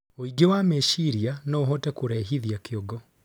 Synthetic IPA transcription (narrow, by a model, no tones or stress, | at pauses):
oiɡewameʃiɾianɔoɦɔtɛkoɾɛɦiðiakeɔɡɔ